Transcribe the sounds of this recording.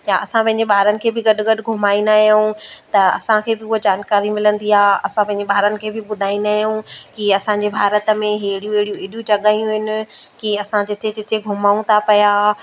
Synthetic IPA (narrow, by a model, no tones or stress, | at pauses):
jaɐsãpɐ̃ɦɪ̃ɲd͡ʑeɓaːɾənɪ̆kʰeːbɪɡɐɗʊ̆ɡɐɗʊɡʱʊmaːĩnd̪aɦijũt̪ɐɐ̰sãkʰeːbɪʊɦod͡ʑaːnkaːɾimɪlə̃nd̪iaːɐsãpɐ̃ɦɪ̃ɲd͡ʑeɓʱaːɾənɪ̆kʰeːbɪɓʊd̪ʱaːĩnd̪aːɦijũkiɐsãɲd͡ʑebʱaːɾət̪ə̆mẽɦeɦɪɽijũeɦɪɽijũeːɗijũt͡ɕɐɠaːijũɦɪnɪ̆ | kiɐsãd͡ʑɪt̪ʰed͡ʑɪt̪ʰeɡʱʊmaːũt̪ʰapɐjaː